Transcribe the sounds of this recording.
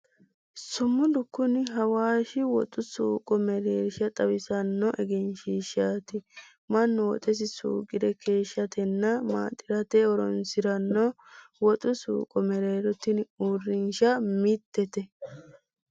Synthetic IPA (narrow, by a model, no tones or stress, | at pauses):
sʊmːʊd̪ʊkːʊnɪɦɐwaːʃɪwɔ̰t̪ʼʊsuːkʼɔmɛɾeːɾɪʃɐt̪ʼɐwɪsɐnːɔʔɛɡɛnʃiːʃaːt̪ɪ | mɐnːɔwɔ̰t̪ʼɛs̬ɪsṵːɡɪd̪ɛkʰe̞ːʃːɐt̪ɛnːɐma̰ːt̪ʼːɪɾɐt̪ɛɔɾɔ̰nsɪɾɐnːɔ | wɔt̪ʼʊsṵːkʼɔmɛɾeːɾɔt̪ːɪnurːɪnʃɐmɪt̪ːɛt̪ɛ